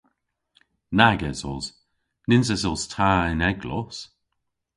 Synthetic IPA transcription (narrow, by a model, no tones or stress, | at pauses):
naɡɛzɔz | nɪnsɛsɔstʰaːɪnɛɡlɔ̰s